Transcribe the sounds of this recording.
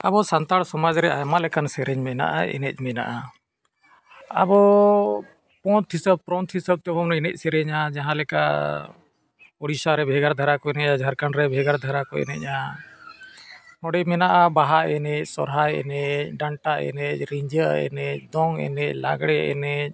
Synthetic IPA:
abɔsant̪aɽsɔmad͡ʒɾɛajmalɛkansɛɾɛɲmɛna̰ʔa̰ɛ̰nɛtc̚ˀmɛna̰ʔa | a̰bɔ | pɔ̃t̪ʰisəb̚pɾɔnt̪ʰisəb̚t̪ɛbɔmnɛɛnɛc̚ˀsɛɾɛɲad͡ʒaɦãlɛka̰ | ɔɽisaɾɛbʱɛɡaɾd̪ʱaɾakɔɛnɛad͡ʒʱaɾkanɾɛbʱɛɡaɾd̪ʱaɾakɔɛ̰nɛc̚ˀa | nɔɽɛmɛnaʔabaɦaɛnɛc̚sɔɾɦajɛ̰nɛc̚ɖaɳʈaɛ̰nɛc̚ˀɾiɲd͡ʒəɛ̰nɛc̚ˀd̪ɔŋɛ̰nɛc̚la̰ɡɽɛɛ̰nɛc̚ˀ

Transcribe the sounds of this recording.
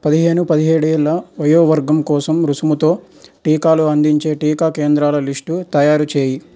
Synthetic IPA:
pɐd̪iɦe̞ːnupɐd̪iɦe̞ːɽuɛlːɐʋɐjoːʋɐɾɡɐmkɔːsɐmɾusumut̪o̞ː | ʈiːkaːluɐnd̪iɲt͡ʃe̞ːʈiːkaːkeːnd̪ɾaːlɐlisʈut̪ɐjaːɾut͡ʃe̞ːji

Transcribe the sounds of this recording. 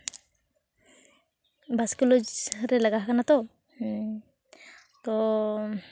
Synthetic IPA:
bʱaskɔlod͡ʒɾɛlaɡaɦkanat̪ɔ | t̪ɔ

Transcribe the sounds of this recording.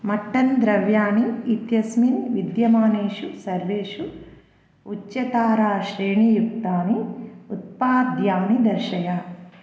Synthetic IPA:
mɐʈːɐnd̪ɾɐʋjaːniːt̪jɐsminʋid̪jɐmaːniːʂusɐɾʋeːʂu | ut͡ʃːjɐt̪aːɾaːʃɾeːɳijukt̪aːniut̪̚paːd̪jaːnid̪ɐɾʃɐjaː

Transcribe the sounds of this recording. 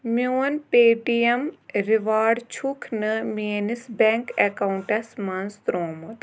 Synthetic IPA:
mjoːnpeːʈijɐmɾiʋaːɖt͡ʃʰukʰnɨmienisbɛŋkekauɳʈɐsmɐnst̪ɾoːmut̪

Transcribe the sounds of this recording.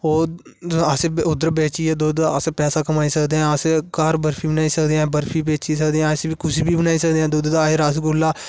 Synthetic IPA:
oː | əsẽːʊd̪əɾbeːt͡ʃiːɛːd̪oaəsepɛːsaːkəmaːiːsəkd̪eːɦɛ̃ːəsekaːɾbəɾpʰiːbənaːiːsəkd̪eːɛ̃ːbəɾpʰiːbeːt͡ʃiːsək̚d̪eːãːsebiːkʊsiːbiːbənaːiːsək̚d̪eɛ̃ːd̪oːd̪d̪aːɪɾaːs̬ɡʊlːaː

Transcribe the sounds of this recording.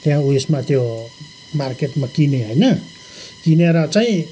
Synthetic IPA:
t̪ejãuesmat̪ʰo | market̪makineɦojnʌ | kineɾat͡saĩ

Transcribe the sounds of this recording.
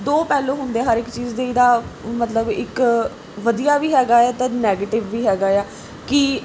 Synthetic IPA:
d̪oːpɛːlõːɦʊ̃nd̪eɛ̃ːɦəɾɪkt͡ʃiːzd̪eːiːd̪aːmət̪ləbɪk | ʋəd̪ijaːʋiːɦɛːɡaːɛːt̪ẽːnɛːɡeːʈɪʋːiːɦɛːɡaːeaː | kɪ

